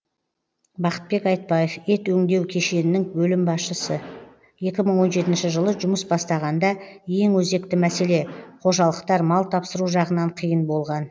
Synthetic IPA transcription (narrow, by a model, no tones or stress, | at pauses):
bɑqə̥t̪̚be̞kɑjt̪̚bɑjefe̞t̪wɵŋd̪e̞wkʲʰe̞ʃe̞nɪnɪŋbɵlɪmbɑsʃəsə | je̞kʲɪməɴwo̞nʒe̞t̪ɪnʃɪʒəlˠəʒʊməsbɑst̪ɑʁɑnd̪ɑje̞ŋwɵze̞kt̪ɪmæse̞le̞qʰo̞ʒɑlˠəqt̪ɑɾmɑlˠt̪ʰɑpsəɾuʒɑʁənɑɴqʰijənbo̞lˠʁɑn